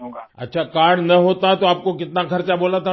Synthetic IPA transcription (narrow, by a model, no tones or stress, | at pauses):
ɐ̰tːʃʰakaːɽnɐɦoːt̪at̪oaːp̚kokɪt̪nakʰɐɾt͡ʃaboːlat̪ʰa